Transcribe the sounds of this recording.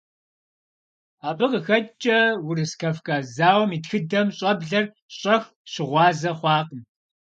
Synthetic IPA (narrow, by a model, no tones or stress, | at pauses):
aːbɨqəxɐt͡ʃʼɐwʊrɨskʰɐfkʼaːzaːwɐmiːtxɨdɐmɕʼɐbɮɐr | ɕʼɐx | ɕɪʁʷɑːzɐχʷɑːqən